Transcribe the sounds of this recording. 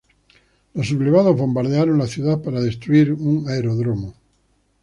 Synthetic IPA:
losuβleβaðozβo̞mbaɾðeaɾoŋlaθjuðapaɾaðe̞st̪ɾuiɾuŋaeɾoðɾomo

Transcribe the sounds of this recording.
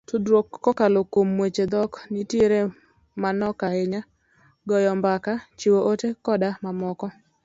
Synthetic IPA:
todwokːɔkalokomːwet͡ʃed̪ɔknitieɾe | manɔkaɪɲa | ɡɔjɔmbakat͡ʃiwoʔotekɔdamamɔkɔ

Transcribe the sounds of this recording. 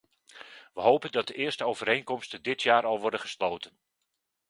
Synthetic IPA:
ʋəɦowpəndɑt̚dəʔɪːrstəowvəɾejnkɔmstəndɪtʰjaːɾɑlˠʋɔɹdəχəslowtən

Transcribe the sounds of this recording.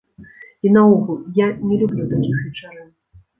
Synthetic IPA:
inauɣuljanʲɛlʲublʲut̪akʲixvʲit͡ʂaɾɨn

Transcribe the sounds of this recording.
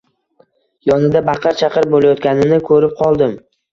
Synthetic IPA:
jɒnɪd̪abɑqʰɑɾt͡ʃʰɑqɨɾp̚bolˠajɒt̪̚kʲanɪnɪkʰɵɾɪp̚qʰɒlˠd̪ɪm

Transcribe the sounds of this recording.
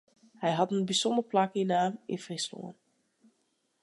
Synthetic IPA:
hɛjɦɑtənbisɔndərplakinaːmɪ̰frɪslo̰ːən

